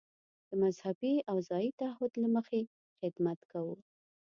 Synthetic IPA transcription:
d̪̥əmazhabiawzɑjit̪aahʊd̪laməxe | xɪd̪mat̪kawu

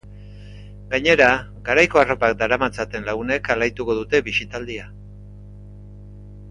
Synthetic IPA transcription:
ɡaɲe̞ɾa | ɡaɾajko̞aro̞pakd̪aɾamat͡sat̪e̞nlaɣ̞une̞kalajt̪uko̞ðut̪e̞βisit̪ald̪ia

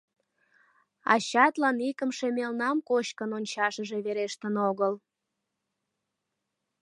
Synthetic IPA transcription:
ɑ̰ɕɑt̪lɑnikəmʃemelnɑmkoɕkənonʲt͡ɕɑʃəʒe̽βeɾeʃt̪ənoɣəl

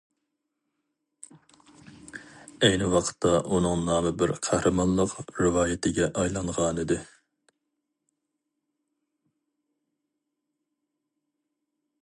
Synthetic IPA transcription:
ɛjnɪwɑqʰə̥t̪ʰːɑʔunɨŋnɑːmɨbɪɾqʰæhɾʔɨmɑnlˠəqɾɪwɑːjɪt̪ʰɪɡʲɛʔɑjlˠɑɴʁɑnɨd̪ɪ

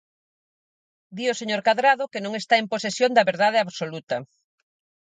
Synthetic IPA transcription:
d̪ioseɲoɾkaðɾað̞okenõŋest̪aemposesjõnd̪ɐβeɾðað̞eaβsolut̪ɐ

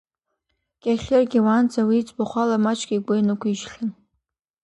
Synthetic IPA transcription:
ɡ̥ʲʼaχʲɪrɡʲiwand͡zawiːt͡sʼbaχʷalamat͡ʃʰʼɡʲiɡʷʊjnɨkʷʰiʒɬɨn

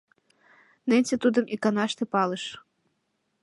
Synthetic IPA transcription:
nenʲsʲet̪ud̪ɤ̆mʔikanɑʃt̪ɤ̆pɑlɤʃ

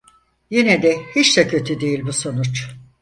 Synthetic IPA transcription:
jinɛd̪ɛhit͡ʃd̪ɛcʰø̞t̪ʰyd̪ejilʲbuso̞nut͡ʃ

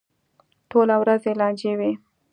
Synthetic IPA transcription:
ʈolawɾazelɑnd͡ʒewe

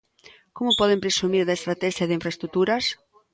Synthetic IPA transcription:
komʊpɔðempɾesumiɾðɐest̪ɾat̪ɛʃjɐðɪiɱfɾɐest̪ɾut̪uɾɐs

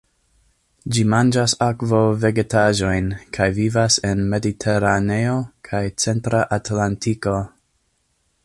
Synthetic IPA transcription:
d͡ʒimand͡ʒasakvove̞ɡetaʒo̞jnkʰajvivasenme̞ditʰe̞ɾane̞o̞kʰajt͡se̞ntɾaʔatlantʰiko̞

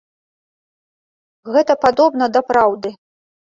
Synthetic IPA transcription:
ɣɛt̪ɐpad̪ɔbnɐd̪ɐpɾawd̪ɨ

